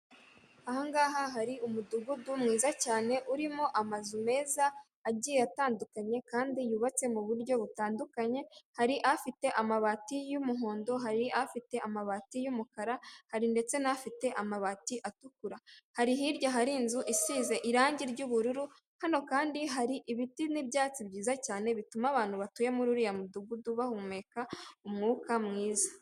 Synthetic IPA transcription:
ahoŋɡaːɦaɦaɾiumuduɡudumŋiːzacaːne̞ʔuɾimo̞ʔamazume̞ːzaː | ɟiːjejataːndukaɲe̞kaːndijuβat͡se̞muβuɾɟo̞βutaːndukaɲe̞haɾiʔafite̞ʔamaβaːtijumuɦo̞ːndo̞ɦaɾiʔafite̞amaβatijumukaɾahaɾinde̞t͡se̞nafite̞ʔamaβatiʔatukuɾahaɾiɦiɾɟaɦaɾinzuʔisiːze̞ʔiɾaːɲɟiɾɟuːβuɾuɾu | hano̞kaːndiɦaɾiʔiβitinibɟaːt͡sibɟiːzacaːne̞βitumaβaːn̥huβatuje̞muɾuɾijamuduɡuduβahume̞kaumŋuːkamŋiːza

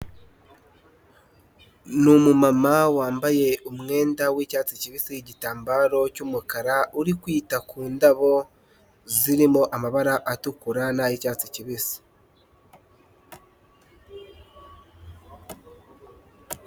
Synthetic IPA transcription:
numumamawaːmbaje̞umŋe̞ːndawiːcaːt͡siciβisiɟitaːmbaɾo̞cumukaɾauɾikwiːtakuːndaβo̞ | ziɾimo̞ʔamaβaɾaʔatukuɾanaajicaːt͡siciβisi̥

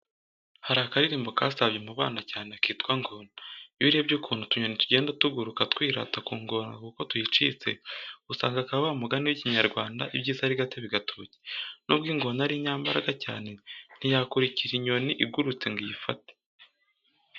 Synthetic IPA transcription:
haɾakaɾiɾiːmbo̞kaːsaβɟemuβa̰ːnacaːnekiːtkwaŋɡonajiɾiebɟukʰuːn̥hutuɲo̞nituɟe̞ːndatuɡuɾukatkwiːɾa̰takuːŋɡo̞na̰kuko̞tujit͡ʃḭt͡se̞̰usaːŋɡakaβaβamuɡaniwiciɲaɾɡwaːnda̰ʔibɟiːzahaɾiɡatiβiɡatʰoːce̥nub̚ɡiːŋɡo̞naɾiɲaːmbaɾaɡaca̰ːne̞n̥ijakuɾiciɾiɲo̞niʔiɡuɾut͡se̞ŋɡijifate̥

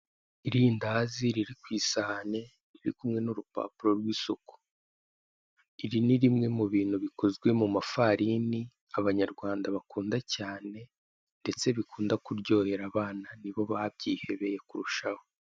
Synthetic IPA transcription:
iɾiːndaziɾiɾikwiːsahane̞ | ɾiɾikumŋe̞nuɾupa̰ːpuɾo̞ɾɡwiːsoku̥ | iɾiniɾimŋe̞muβiːn̤̥huβiko̞zɡwe̞mumafaɾini | aβaɲaɾɡwaːndaβakuːndacaːne̞ | nde̞t͡se̞βikuːndakuɾɟo̞ːhe̞ɾaβaːnaniβo̞βab̚ɟiːhe̞βe̞je̞kuɾuʃaho

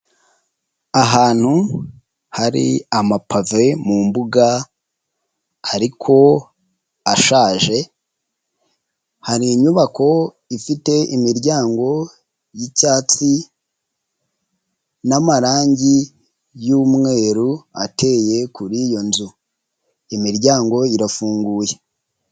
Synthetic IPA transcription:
aɦaːn̥hu | haɾḭamapʰave̞mumbuɡa | ɾikʰo̞ | aʃaːʒe̞ | haɾiːɲuβakʰo̞ | ifite̞imiɾɟaːŋɡo̞ | jicaːt͡si | namaɾaːɲɟi | juːmŋe̞ːɾua̰tʰe̞je̞kuɾijo̞nzu | imiɾɟaːŋɡo̞iɾafuːŋɡuːje̞

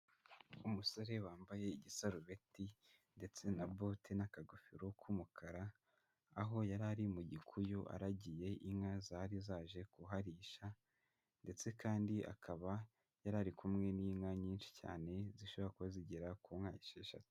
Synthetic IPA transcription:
umuso̞ɾe̞waːmbaje̞iɟisaɾuβe̞ti | nde̞t͡se̞nabotʰinakaɡufiɾokʰumukʰaɾaː | ɦo̞jaɾaɾimuɟikʰujoʔa̰ɾaɟije̞ʔiŋazaɾizaːʒe̞kuɦaɾiːʃa | nde̞t͡se̞kaːndiʔa̰kʰaβa | jaɾaɾikumŋe̞niːŋaɲiːnʃi̥ca̰ːne̞ziʃo̞βo̞ɾakuβaziɟiɾakumŋaːjiʃeʃa̰t

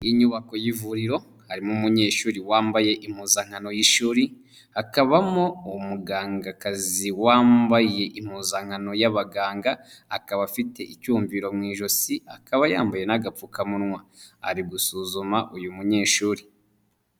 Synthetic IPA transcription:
iɲuβako̞jivuɾiɾo̞ | haɾimumuɲe̞ːʃuːɾiwaːmbaje̞ʔim̥uːzaŋ̥hano̞jiʃuːɾi | hakaβamoumuɡaːŋɡakaziwaːmbaje̞ʔim̥huːzaŋ̥hano̞jaβaɡaːŋɡaːkaβafite̞ʔicuːɱviɾo̞mŋiːʒo̞siakʰaβaja̰ːmbaje̞naɡafukamunŋwaa̰ɾiɡusuːzumaʔujumuɲe̞ːʃuːɾi

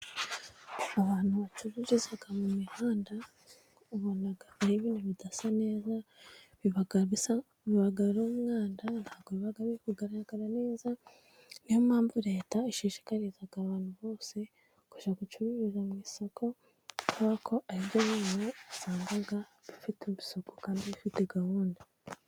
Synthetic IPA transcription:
aβaːn̥huβat͡ʃuβiɾizaɡamumihaːnda | uβonaɡaβaɾiβiːnuβidasane̞ːza | βiβaɡaisa | βiβaɡaɾomumŋaːndanhaːɡoβiβaɡaβikuɡaɾaaaɡaɾane̞ːza | nijomaːmvuɾe̞ːtaiʃiːʃi̥kaɾizaɡaβaːn̥huβo̞ːse̞ | ku̥ʃakut͡ʃuβiɾizamŋiːsokʰo̞ | kuβakʰo̞ʔaɾiβɟoβiːnuβisaːŋɡaɡa | βifitebi̥sokukaːndiβifite̞ɡahuːnda

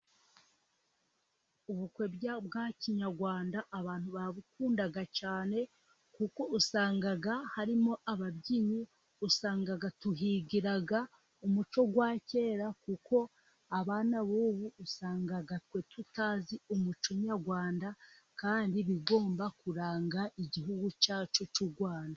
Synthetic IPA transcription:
uβukwe̞bbɡaciɲaɾɡwaːndaʔːβaːn̥huβaβukuːndaɡat͡ʃaːne̞ | kuko̞usaːŋɡaɡahaɾimo̞ʔaβabɟiɲu | usaːŋɡaɡatuɦiɡiɾaɡa | umut͡ʃo̞ɡwaːce̞ːɾakuko̞ | aβaːnaβuːβuːsaːŋɡaɡatwe̞tʰutaziumut͡ʃoɲaɾɡwaːnda | kaːndiβiɡo̞ːmbakuɾaːŋɡaʔiɟiɦuɡut͡ʃaːt͡ʃo̞t͡ʃuɡwaːnda

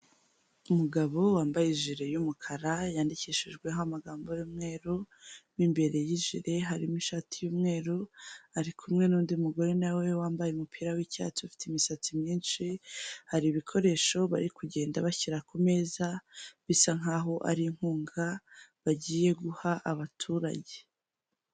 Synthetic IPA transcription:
umuɡaβo̞waːmbajiʒiɾe̞jumukʰaɾajaːndiciʃiʒɡwe̞ŋamaɡaːmbo̞juːmŋe̞ːɾu | wimbe̞ɾe̞jiʒiɾe̞ɦaɾimiʃatʰijuːmŋe̞ːɾuaɾikʰumŋe̞nuːndiumuɡo̞ɾe̞nawe̞waːmbajeumupʰiːɾawica̰t͡sifi̥teimisat͡simɲiːnʃihaɾiβikʰo̞ɾe̞ːʃo̞βaɾikuɟe̞ːndaβaçiɾakome̞zaβisaŋaːɦo̞ʔa̰ɾiŋ̥huːŋɡaβaɟiːje̞ɡuhaʔaβatʰuːɾa̰ɟe̞̥

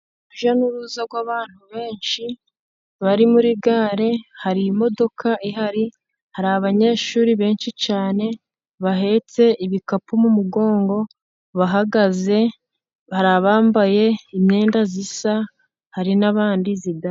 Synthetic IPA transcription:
uʒanuɾuːzaɾɡwaːβaːn̥huβe̞ːnʃi | βaɾimuɾiɡaːɾe̞haɾiːmo̞do̞kʰaʔiɦaɾi | haɾaaβaɲe̞ːʃuːɾiβe̞ːnʃit͡ʃaːne̞ | βaɦe̞t͡se̞ʔiβikapumumuɡo̞ːŋɡo̞ | βaɦaɡaze̞ | βaɾaβaːmbaje̞imɲe̞ːndazisa | haɾinaβaːndiziɡa

